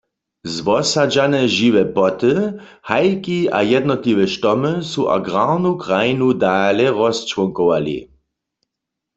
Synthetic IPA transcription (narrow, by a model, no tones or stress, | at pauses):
zʋɔsad͡ʒanɛʒiʋɛpɔtəhajkia̰jɛd̪nɔtliʋɛʃtɔməsuʔa̰ɡʁaʁnukʁajinudaːlɛʁɔst͡ʃwɔŋkɔwalḭ